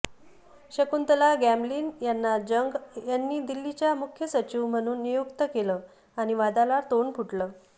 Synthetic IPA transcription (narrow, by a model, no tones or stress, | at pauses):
ɕəkunt̪əlaɡæmbliːnjanːad͡ʑəŋɡjanːiːd̪ilːit͡ɕjamukʰjəsət͡ɕiʋm̤əɽ̃uːnːijokt̪əkelə | aɽ̃iʋad̪alat̪oɳpʰuʈləː